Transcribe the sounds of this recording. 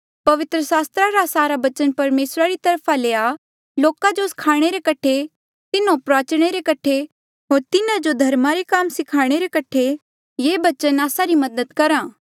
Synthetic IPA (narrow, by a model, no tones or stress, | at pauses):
pɐʋɪt̪ɾəsaːst̪ɾaɾasaːɾabɐt͡ʃənpɐɾmeːsɾaɾit̪ɐɾpʰaleːa | loːkad͡ʒosɪ̥kʰaːɽ̃eɾekɐʈʰe | t̪ɪnõpɾaːt͡ʃɽ̃eɾekɐʈʰe | ɦoːɾt̪ɪnãd͡ʒod̪ʱɐɾmaɾekaːmsɪkʰaːɽ̃eɾekɐʈʰe | jeːbɐt͡ʃənaːsaɾimɐd̪əd̪kɐɾãː